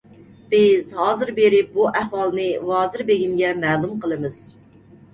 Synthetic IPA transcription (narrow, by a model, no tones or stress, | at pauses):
b̥ɪzɦɑːzɨɾbeɾɪp̚buʔɛhwɑlˠnɨwɑːzɨɾbeɡʲimɡʲɛmɛːlˠumqʰəlˠɨmɨz̥